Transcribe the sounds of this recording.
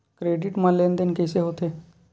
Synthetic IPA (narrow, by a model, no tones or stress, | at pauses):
kɾeːɖɪʈmalend̪enkɛːseɦoːt̪eː